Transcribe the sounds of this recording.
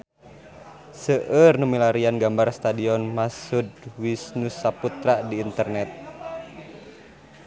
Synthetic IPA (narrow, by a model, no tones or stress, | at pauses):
səʔərnumilaɾianɡambarst̪adiɔnmasudwisnusːaput̪ɾadiːnt̪ərnɛt̪̚